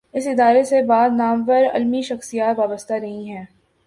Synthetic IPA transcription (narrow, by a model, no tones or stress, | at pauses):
ɪsɪd̪aːɾesebaːd̪naːmʋəɾɐ̰lmiʃɐxsijaːt̪ʋaːbəst̪aɾɐɦĩɦɛ̃ː